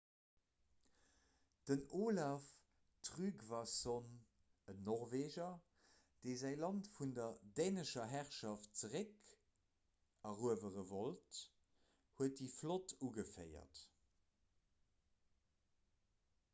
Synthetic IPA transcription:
d̥ənoːlaf | tʁyːkvason | ənːɔʁveːʒɐ | d̥eɪzæɪlɑntfundɐdeːnəʃɐɦæʁʃɑft̚t͡səʁɛk | ɑʁuəvəʁəvolt | huət̚diflotʰuːɡəfəɪɐ̰t

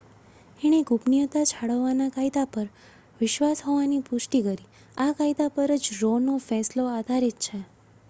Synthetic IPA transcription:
ɛɽ̃eɡʱupnijət̪at͡ʃʰaɽəʋːanakajd̪apəɾ | ʋɪʃʋasɦoʋanipʊʃʈikəɾi | akajd̪apəɾəd͡ʒɾonofɛ̃sload̪ʱaɾet̪t͡ʃʰe

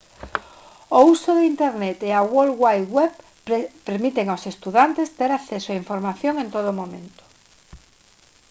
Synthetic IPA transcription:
ousoðeint̪eɾnet̪eawolɣwaj̪wɛβ | peɾmit̪eŋawsest̪uðant̪est̪eɾakθesoaiɱfoɾmaθjoŋẽnt̪oð̞ʊːmõmẽnt̪o̥

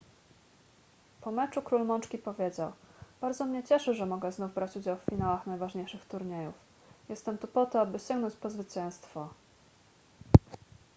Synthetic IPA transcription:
pɔmɛt͡ʂukɾulmɔnt͡ʂkʲipɔvʲjed͡ʑawb̥aɾd̪zɔmɲɛt͡ɕɛʂɘʐɛmɔɡɛznuvbɾat͡ɕud͡ʑawffʲinawaxnajvaʐɲejʂɘxt̪uɾɲejuf | jɛst̪ɛmt̪upɔt̪ɔabɘɕɛŋɡnɔ̃ɲt͡ɕpɔzvɘt͡ɕɛ̃w̃st̪fɔ

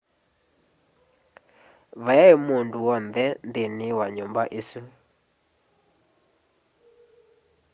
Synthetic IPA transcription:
βajaemonduɔnðɛndenewaɲombaʔesu

